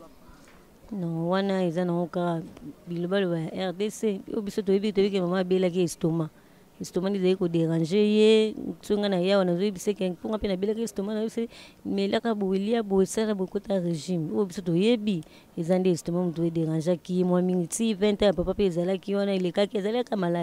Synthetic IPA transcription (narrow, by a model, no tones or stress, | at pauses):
nɔwanaezanaŋokaabilobalobajaʔɛʁdeseo̰obisot̬ojebikit̬oikemamaabelak̬iestoma | estomandezalikodeʁãʒejesoŋɡanajawanazojebisekepoŋɡapenabelakiestomanasemelakabowelijaboesalaboekotaʁeʒimoobisotojebi | ezandestomamut̬uedeʁãnʒakijemwamiŋɡitivɛ̃tãjapapapeezalakiwanaelekakiezalakamalai